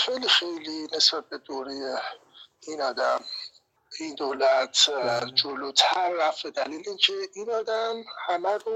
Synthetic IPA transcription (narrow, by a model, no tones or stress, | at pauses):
xejlixejline̞sb̥æt̪̚bed̪oːɾeje | iːnɒːd̪æm | ind̪oːlæt̪ʰd͡ʒoloːt̪ʰæɾːæfed̪æliːleiːncʰeiːnɒːd̪æmhæmæɾo